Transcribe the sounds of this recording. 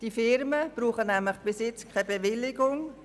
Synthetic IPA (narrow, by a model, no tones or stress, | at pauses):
d̥ifɪɾməb̥ruːχənæmləχb̥ɪsɪt͡skʰabeʋɪlːɪɡʊŋ